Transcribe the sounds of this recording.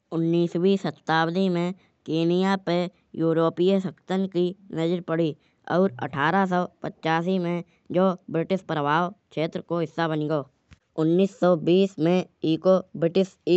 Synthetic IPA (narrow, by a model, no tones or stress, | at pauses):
ʊnːiːswisət̪ːaːwd̪imẽ | keːnijape | juːɾoːpijəsəkt̪ənkinəd͡ʒəɾpəɽi | ɔ̰ːɾə̰ʈʰaːɾas̬ɔːpətːt͡ʃaːsimẽ | d͡ʒoːbɾɪʈɪspɾəwaːwkʃʰeːt̪ɾəkoɦɪsːabənɡoː | ʊnːiːsːɔːbiːsmẽiːkobɾɪʈɪsiː